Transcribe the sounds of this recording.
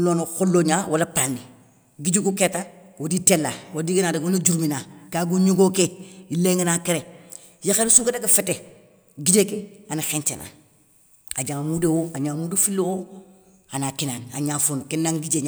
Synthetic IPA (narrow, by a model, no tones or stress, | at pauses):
lonoxolːoɲawʔolapani | ɡid͡ʒukuketawoditelːa̰wodiɡinaːdeonud͡ʒuɾminakaɡuɲuɡokeileŋanakeɾe | jaxensuketakefete | ɡid͡ʒekeanaxent͡ʃḛnʔa̰ | ad͡ʒaŋmudewoaɲamudefilːowo | anakinana̰ɲaːfonokenːaŋɡid͡ʒeɲa